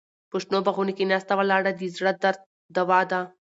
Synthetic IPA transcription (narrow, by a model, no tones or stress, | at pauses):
puʂʈnobɐɣunikinast̪ɐʋɐlaːɽɐd̪izɽɐd̪ɐɾ | d̪ɐʋaːd̪a